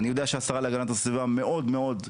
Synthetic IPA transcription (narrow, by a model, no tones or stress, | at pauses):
anijo̞d̪eaʃeasaʁaleaɡanat̪asvivame̞ʔo̞d̪me̞o̞d̪